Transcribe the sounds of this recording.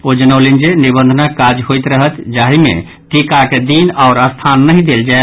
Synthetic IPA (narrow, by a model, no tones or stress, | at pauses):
od͡ʒənəlind͡ʒenibə̃nd̪ʱənakad͡ʒɦojt̪ɾəɦət̪d͡ʒaːɦimḛ̃ | ʈikaked̪inɔʊɾəst̪ʰanːəɦĩd̪eld͡ʒae